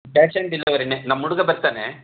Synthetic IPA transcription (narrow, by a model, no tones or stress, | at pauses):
pɛːsɐɳɖilːɐʋɐɾinenɐmːuɽuɡɐbɐɾt̪aːne